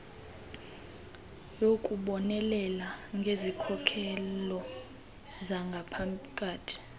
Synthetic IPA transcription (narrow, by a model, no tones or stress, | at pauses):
jokʼuɓɔnɛlɛlaŋɡʱezikʰɔkʰɛlɔ | zaŋɡʱapʰakʼaːtʰi̥